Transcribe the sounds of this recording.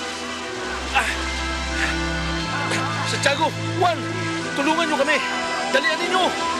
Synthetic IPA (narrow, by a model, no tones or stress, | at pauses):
a | sat͡ʃaɡʊ | kuan | t̪ulʊŋanɲʊkamɪ | d̪alianiɲʊ